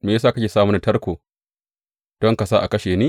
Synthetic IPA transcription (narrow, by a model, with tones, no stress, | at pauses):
meː˨js̬aː˦˨ka˦kʲeː˨saː˦mʊ˦n˨tɐ˦rkʷoː˨ | d̥ɔ˦ŋka˨sa˦ʔa˨kɐ˦ʃeː˨niː˦